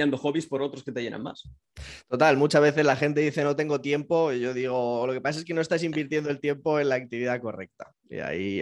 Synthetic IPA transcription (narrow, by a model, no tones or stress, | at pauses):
and̪oxo̞βispo̞ɾo̞t̪ɾo̞ske̞t̪eʝe̞na̰nma̰s | t̪o̞t̪almut͡ʃazβe̞θe̞zlaxe̞nt̪e̞ðiθe̞no̞t̪e̞ŋɡo̞t̪je̞mpo̞ʝo̞ðiɣ̞o̞lo̞kepasaseke̞no̞est̪asimbiɾt̪je̞nd̪o̞elt̪je̞mpo̞e̞nlaːk̚t̪iβiðako̞re̞̰k̚t̪a | ḭa̰i